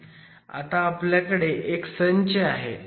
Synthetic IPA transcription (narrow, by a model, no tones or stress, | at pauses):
a̰t̪aːpljakəɽeʔeksəɲt͡ɕeaɦḛ